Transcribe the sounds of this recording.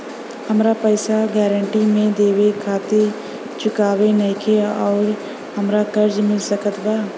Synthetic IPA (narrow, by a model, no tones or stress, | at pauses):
hɐmɾapəːsaɡɛːɾə̃ɳʈimẽd̪eːwekʰaːt̪e | t͡ʃʊkaːwenɐɪkʰeɔːɾ | ɦɐmɾakɐɾd͡ʒmɪlsəkət̪baː